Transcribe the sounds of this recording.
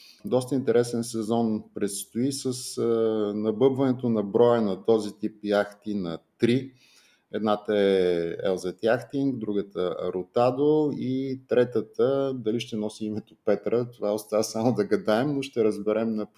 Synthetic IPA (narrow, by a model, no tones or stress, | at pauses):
d̪ɔst̪əint̪ɛɾɛsɛnsɛzɔnpɾɛt̪st̪oisəs | nɐbɤbvɐnɛt̪onɐbɾɔjənɐt̪ɔzit̪ipjaxt̪inɐt̪ɾi | ɛd̪nat̪əɛɛ̰lˠzɛt̪jaxt̪iŋɡd̪ɾuɡət̪əɐ̰ɾot̪ad̪oit̪ɾɛt̪ət̪əd̪ɐliʃt̪ɛnɔsiimɛt̪opɛt̪ɾət̪ovaost̪avəsamod̪ɐɡɐd̪aɛmnoʃt̪ɛɾəzbɛɾɛmnɐp